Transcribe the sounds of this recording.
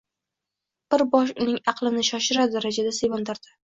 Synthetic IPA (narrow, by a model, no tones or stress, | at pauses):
b̥ɪɾbɒʃ̬ʊnɪŋɑqlˠɪnɪʃɒʃɪɾad̪aɾad͡ʒad̪asejbɒnd̪aɾd̪ɪ̥